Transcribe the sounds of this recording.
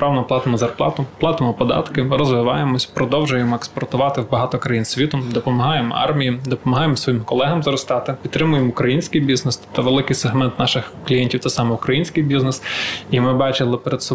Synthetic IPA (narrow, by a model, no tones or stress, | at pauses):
pɾɑlnɔplˠɑt̪ɪmɔzɐrplˠɑ̰t̪ʊplˠɑt̪ɪmɔpɔd̪ɑ̰t̪kɪɾɔzʋɪʋɑ̰jemɔsʲpɾɔd̪ɔwʒʊjemɔekspɔrt̪ʊʋɑt̪ɪwbɐɦɑt̪ɔkɾɐjinsʲʋʲit̪ʊmd̪ɔpɔmɐɦɑjemɔɑ̰rmʲijid̪ɔpɔmɐɦɑjemsʋɔjimkɔlˠɛɦɐmzɾɔst̪ɑt̪ɪpʲidt̪t̪ːɾɪmʊjemʊkɾɐjinʲsʲkɪjbʲiznest̪t̪aʋelˠɪkɪjseɦmɛnt̪nɑʃɪxklʲijɛnʲtʲiwt̪ɛsɑmɛukɾɐjinʲsʲkɪjbʲiznɛsimɪbɑt͡ʃɪlˠɪpeɾed̪sɔ